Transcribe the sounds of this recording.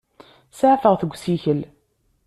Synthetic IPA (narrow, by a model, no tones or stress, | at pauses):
səʕfəʁθəɡʷːsiçəl